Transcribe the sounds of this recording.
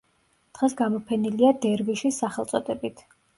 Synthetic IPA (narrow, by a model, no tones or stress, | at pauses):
d̪̥ʁɛsɡamɔpʰɛniliad̪ɛɾviʃisaχɛlˠt̪sʼɔd̪ɛbit̪ʰ